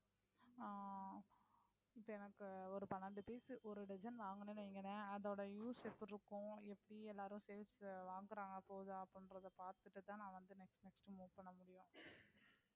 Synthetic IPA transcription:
ɪpːɐːɛnɐkːɯɔɾɯpɐnaːɳɖɯpiːsɯʔɔɾɯɖɛd͡ʒɐnʋaːŋɡɐneːnɯɛŋɡɐnːɐɐðɐɽɐjuːsɛfɾɯkːʊ̃ɛpːɐɽiɛlːaːɾʊ̃sɛːlsʋaːŋɡɯɾaːŋɡɐpːoːðɯɐpːɽɪnɾɐðɐpaːɾt̪ɯʈːɯt̪ãːnãːʋɐnd̪ɯnɛksʈnɛksʈɯmuːʋpɐɳːɐmʊɽɪjʊ̃

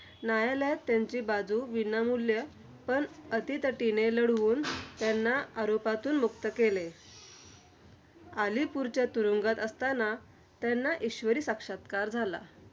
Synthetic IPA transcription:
najaljat̪ːjaɲt͡ɕiːbad͡zuʋinamuljə | pəɳət̪it̪əʈineləɽʋuːnt̪janːaaɾopat̪uːnmukt̪əkele | alipuɾt͡ɕjat̪uɾuŋɡat̪əst̪ana | t̪janːaʔiɕʋəɾiːsakʂat̪kaɾd͡zʱala̰

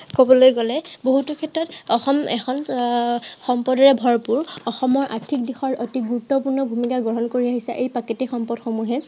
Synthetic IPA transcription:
kobɔlojɡɔlɛboɦutukʰɛtɹɔtɔxɔmɛ̰xʰɔn | xɔmpɔdɔɹɛbʱɔɹpuɹɔxɔmɔɹʔa̰tʰik̚dixɔɹotiɡuɹutːɔpuɹnɔbʱumikaɡɹɔɦɔnkoɹiaɦisɛ̰ʔejpaketixɔmpɔdxomuɦɛl

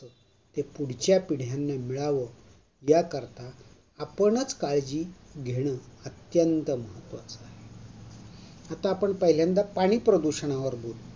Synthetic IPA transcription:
ə | t̪epuɽ̤t͡ɕjapiɽ̤janːamiɭaʋə | jakəɾt̪aː | pəɳət͡skaɭd͡ʑiːɡʱeɽ̃əət̪jənt̪əməɦət̪ːʋat͡səaɦe | at̪aːpəɳpəɦiljãnd̪apaɽ̃iːpɾəd̪uɕəɳ̃aʋəɾbol

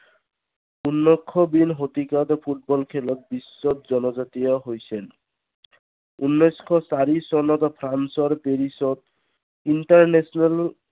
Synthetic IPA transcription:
unːɔkʰːɔbinɦot̪ikat̪ɔpʰuʈ̚bɔlkʰɛlɔt̪̚bisːɔt̪̚zɔnɔzat̪ijɔɦojsɛn | unːɔjskʰɔsaɹisɔnɔt̪pʰɾansɔɹpeɹisɔt̪̚ | inʈaɹnesɔnal

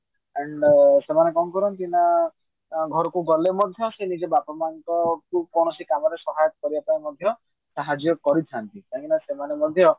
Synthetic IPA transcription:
eɳɖsemanekɔmkɔɾɔnt̪ina | ɡʱɔɾɔkuɡɔlemɔd̪ʱjɔsenid͡ʒebapɔmaŋkɔkukɔɽ̃ɔsikamɔɾesɔɦajɔt̪ɔkɔɾibapaimɔd̪ʱjɔ | saɦad͡ʒjɔkɔɾit̪ʰant̪it̪aɦĩnasemanemɔd̪ʱjɔ

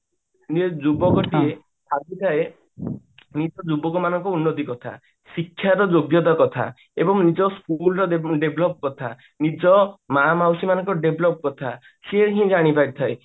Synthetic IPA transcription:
ned͡ʒubɔkɔʈie | saɡit̪ʰae | nid͡ʒɔd͡ʒubɔkɔmanɔŋkɔunːot̪ikɔt̪ʰa̰ | sikʰːjaɾɔd͡ʒoɡjɔt̪ɔkɔt̪ʰa̰ | ebɔŋnid͡ʒɔskulɔɾɔɖebʱlɔp̚kɔt̪ʰa | nid͡ʒɔmamawsimanɔŋkɔɖebʱlɔp̚kɔt̪ʰa | seɦĩd͡ʒaɽ̃ipaɾit̪ʰae

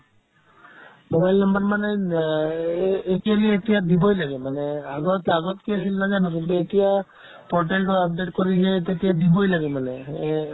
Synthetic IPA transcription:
mobajlnɔmbaɹmane | etialietijad̪ibɔjlaɡɛmanɛaɡɔt̪aɡɔt̪kiasilnad͡ʒanɔk̬ilt̪uetija | pɔʈalʈɔap̚ɖeʈkoɾid͡ʒɛt̪etijad̪ibɔjlaɡɛmanɛ

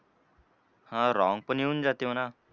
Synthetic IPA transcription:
hãɾɔŋpʌniund͡zat̪jõna

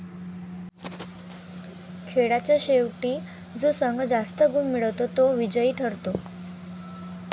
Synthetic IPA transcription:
kʰeɽat͡ɕjaɕewʈiː | d͡zosəŋɡd͡zast̪əɡumːiɭət̪ot̪oʋid͡ʑəiːʈʰəɾt̪o

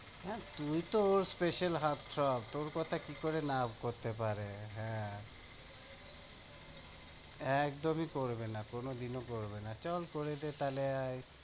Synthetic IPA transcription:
hɛ̃t̪ujt̪oːɾspeʃalɦaɾt̪ːɾɔp̚t̪oɾkɔt̪ʰakikoɾenabkoɾt̪epaɾeɦɛ̃ | ɛkd̪omikoɾbenakonod̪inokoɾbenat͡ɕɔlkoɾed̪et̪aleaj

